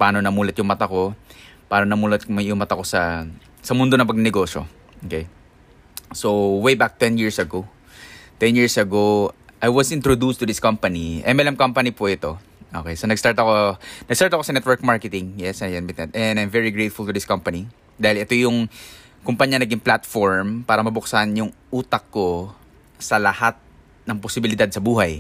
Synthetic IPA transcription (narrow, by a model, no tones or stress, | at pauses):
paːno̞nɐmuːlɐt̪̚jʊŋmɐt̪ako̞paːnonɐmuːlɐt̪jʊŋmɐt̪ako̞sɐ | sɐmʊnd̪onɐŋpɐɡnɛɡo̞ːʃo̰ | ʔokej | sowwejbak̚t̪ɛnjiɹsɐɡo | t̪ɛ̃njiɹsɐɡo | ʔajwɐsʔɪ̃nt̪ɹod̪ust̪ʊdɪskɐmpɐniʔɛ̰mɛlɐmkɐmpɐnipʊʔɪt̪o̞ | ʔo̰kejsonɐɡst̪aɹt̪ɐkonɐɡst̪aɹt̪ɐkosɐnɛt̪wɛɹk̚maɹkɛt̪ɪŋjɛsɐjɛnwɪt̪nɛt̪ʔɛnajmvɛɹiɡɹejt̪fʊlt̪ʊd̪ɪskɐmpɐni | d̪aːhɪlɛt̪o̞jʊŋ | kʊmpɐɲːɐnɐɡiŋplat̪foɹmpaːɾɐmɐbʊksanjʊŋ | uːt̪ɐkkːo | sɐlɐhat̪̚ | nɐŋposɪbɪlɪd̪ad̪̚sɐbuːɦɐj